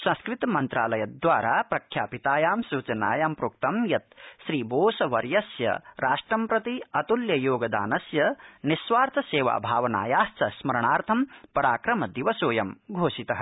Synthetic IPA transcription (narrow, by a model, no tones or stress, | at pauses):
sɐ̃skɾɪt̪ɐmɐnt̪ɾaːlɐjɐd̪ʋaːɾaːpɾɐkʰjaːpit̪aːjaːmsuːt͡ʃɐna̰ːjaːmpɾuːk̚t̪ɐmjɐt̪ʃɾiːboːsɐʋɐɾjɐsjɐ̰ɾaːʂʈɾɐmpɾɐt̪iɐt̪uljɐjoːɡɐd̪a̰ːnɐsjɐnisʋaːɾt̪ʰɐseːʋa̰ːbʱaːʋɐna̰ːjaːst͡sɐsmɐɾɐɳaːɾt̪ʰɐmpɐɾaːkɾɐmɐd̪iʋɐsoːjɐmɡʱoːʃit̪ɐɦɐ